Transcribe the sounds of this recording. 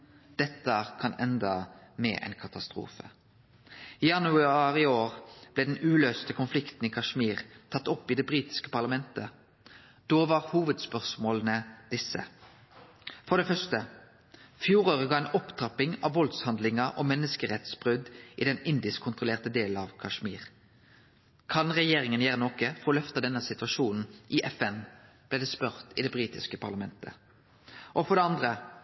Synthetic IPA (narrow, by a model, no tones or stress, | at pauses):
d̪̥ɛt̪ːəkʰɑnɛ̰nd̪əmḛːʔɛ̰ɪnkʰɑt̪ɑst̪ʁṵːfə̰ | iːjɑnʉɑʁɪoːʁb̥lɛːd̪ɛnʉːløːst̪əkʰʊnflɪkt̪n̩ikʰɑʂmiːʁt̪ʰɑt̪ːɔpːiːd̪ɛbʁiːt̪ɪ̥skə̥pɑʁlɑmɛnt̪ə | d̪̥oːʋɑʁhuːʋəd̪spœʁsmoːlnəd̪̥ɪsːə̰ | fɔʁd̪ɛːfœst̪ə | fjuːʁoːʁəɡɑːɛnʔɔpt̪ʰʁɑpɪŋɑ̰ʋʋɔld̪shɑnd̪lɪŋɑʔɔmɛnːəskəʁɛt̪sb̥ʁʉd̪ʔɪd̪ɛnɪnd̪ɪskʰʊnt̪ʁʊleːʁt̪əd̪eːlɑʋkʰɑʂmḭːʁ | kʰɑnʁɛjeːʁɪŋənjeːʁənoːkəfɔɾɔlœft̪ɑd̪ɛnəsɪt̪ʉɑʃuːnn̩ʔɪʔɛfɛnb̥lɛːd̪ɛːspœʁt̪ɪd̪ɛbʁiːt̪ɪskəpʰɑʁlɑmɛnt̪ʰə̰ | ʔɔfɔʁd̪ɛɑnd̪ʁə